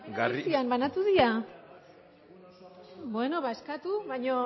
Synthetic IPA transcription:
ɡasiambanat̪uðia | bwenoβaeskat̪uβajɲo

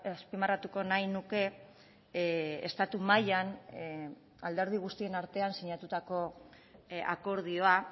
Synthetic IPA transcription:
aspimarat̪uko̞najnuke̞ | est̪at̪umajan | ald̪e̞ɾð̞iɣ̞ust̪ie̞naɾt̪e̞ansiɲat̪ut̪ako̞ | a̰ko̞ɾð̞io̞a

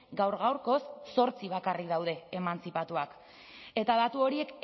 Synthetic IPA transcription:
ɡawɾɣawɾko̞sːo̞ɾt͡siβ̞akarikðawð̞e̞ːmant͡sipat̪uak | e̞t̪aðat̪uo̞ɾie̞k

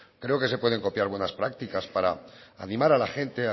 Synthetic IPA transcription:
kɾe̞oke̞se̞pwe̞ð̞e̞ŋko̞pjaɾβwe̞naspɾak̚t̪ikaspaɾa̰ːnĩmaɾalaxe̞nt̪e̞a

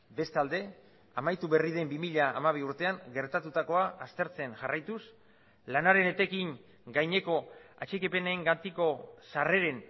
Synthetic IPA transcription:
be̞st̪ald̪e̞ | amajt̪uβe̞riðe̞mbimiʎaʔːmaβ̞iuɾt̪e̞aŋɡe̞ɾt̪at̪ut̪ako̞aʔːst̪e̞ɾt͡se̞nʝarajt̪us | lanaɾe̞net̪e̞kiŋ | ɡajɲe̞ko̞a̰t͡ʃekipe̞neŋɡant̪iko̞sare̞ɾe̞n

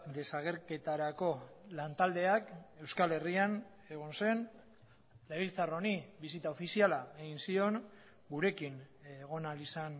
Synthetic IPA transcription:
d̪e̞saɣ̞e̞ɾke̞t̪aɾako̞lant̪ald̪e̞ake̞wskale̞rian | e̞ɣ̞onse̞n | leβilt͡saro̞niβisit̪aofisialae̞ɣinsio̞ŋ | ɡuɾe̞kinɣ̞o̞nalisan

